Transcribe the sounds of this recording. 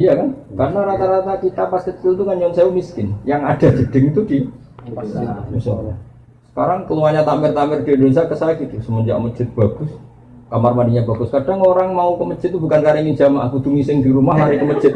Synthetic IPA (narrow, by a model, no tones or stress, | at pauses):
ijakankarnaɾat̪aɾat̪akit̪apaskət̪̚kilt̪uŋanɲɔnseumiskɪnjaŋad̥ad͡ʒəd̥ɪŋit̪udi | ast̪̚bisala | sə̥kaɾaŋkəluaɲat̪amɪrt̪amɪrdiadons̬akəsakit̪usəməd͡ʒa̰ʔmət͡ʃɪt̪̚b̥aɡ̥ʊs | kamarmaniɲabaɡʊskadaŋoɾaŋmaukəmət͡ʃɪt̪ːubukankaɾaiŋid͡ʒama̰kud̪uŋisɪŋdiɾumaɦaɾikəmət͡ʃɪt̪̚